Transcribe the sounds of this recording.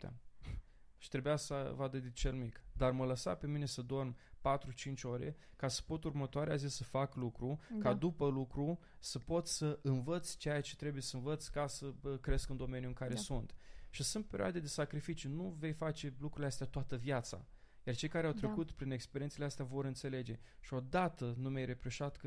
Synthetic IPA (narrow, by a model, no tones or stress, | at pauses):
ʃi̥t̪ɾe̞bujasə̰vad̪ed̪it͡ʃelmikd̪armələsa̰pe̞mine̞səd̪o̞rmpat̪ɾut͡ʃint͡ʃʲo̞ɾʲe̞̰ | kasə̥po̞t̪urmət̪oaɾeazisəfaklukɾukad̪upəlukɾu | səpo̞t̪ssəʔɨnvət̪sʲt͡ʃejat͡ʃe̞t̪ɾe̞buje̞səɨnvət̪sʲkasəkɾe̞skɨnd̪o̞me̞njuɨŋkaɾesunt̪ʃisunt̪̚pe̞ɾjoad̪e̞d̪e̞sakɾifit͡ʃjunuve̞jfat͡ʃe̞lukɾuleast̪eat̪oat̪əvjat̪sa̰ | jart͡ʃe̞jkaɾeawt̪ɾe̞kut̪pɾine̞kspe̞ɾienseleast̪eavo̞ɾɨnt̪se̞le̞d͡ʒe̞ʃio̞d̪at̪ənumejɾe̞pɾoʃat̪k